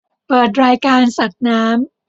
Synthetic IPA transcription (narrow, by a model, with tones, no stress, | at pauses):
pɤː˨˩t̪̚ɾaː˧jkaː˧nsa˨˩t̪̚naː˦˥m